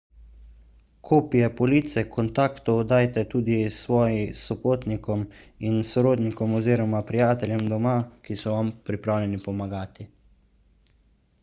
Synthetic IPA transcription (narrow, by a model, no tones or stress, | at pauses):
kʰoːpijɛpɔlit̪sɛkɔnt̪aːkt̪ɔd̪aːjt̪ɛt̪uːd̪isʋɔːjisɔpoːt̪nikɔminsɔɾoːd̪nikɔmɔziːɾɔmapɾijaːt̪ɛljɛmd̪ɔmakisɔʋampɾipɾaːwlʲɛnipɔmaɡaːt̪i